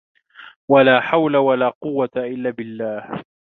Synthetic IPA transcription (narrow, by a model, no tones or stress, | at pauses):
walaːħawlawalaːqʊwːat̪aʔɪlːaːbɪlːaːh